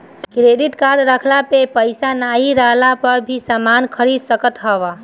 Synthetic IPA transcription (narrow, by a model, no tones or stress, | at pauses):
kɾed̪it̪kad̪ɾəkʰlapepəjsanaiɾəɦlapəɾbʱisəmankʰəɾid̪səkət̪ɦəb